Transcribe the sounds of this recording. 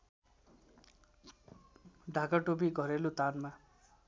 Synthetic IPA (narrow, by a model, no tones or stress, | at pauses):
ɖʱakaʈobiɡʱʌɾelot̪anma